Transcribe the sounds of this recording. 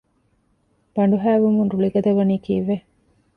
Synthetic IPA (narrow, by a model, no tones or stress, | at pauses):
b̥ɐɳɖuɦæːʋumunɾuɭiɡɐd̪ɐʋɐniːkḭːʋːe